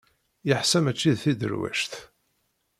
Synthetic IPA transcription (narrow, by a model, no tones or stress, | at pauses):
jəħsæmæt͡ʃːiðθid̪ə̰ɾwæ̰ʃθ